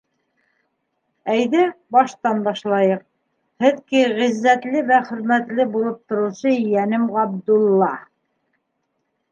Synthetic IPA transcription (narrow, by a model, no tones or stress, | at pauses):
æjðɘbɑʃt̪ɑnbɑʃlˠɑjɤq̚ | hɘðkiʁizːæt̪lɘβæχɵ̆ɾmæt̪lɘbulˠɤp̚t̪ŏɾɤ̆sɤjænɘmʁɑb̚d̪ulˠːɑ